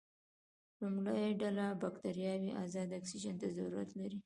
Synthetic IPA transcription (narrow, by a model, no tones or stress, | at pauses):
lumlajaɖalabakt̪aɾijɑwiʔazɑd̪aksiʒant̪azauɾa̰t̪laɾi